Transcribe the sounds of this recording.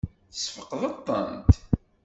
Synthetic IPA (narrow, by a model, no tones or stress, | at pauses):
θə̥sfəqːðɑt̪ˤːə̰nt̪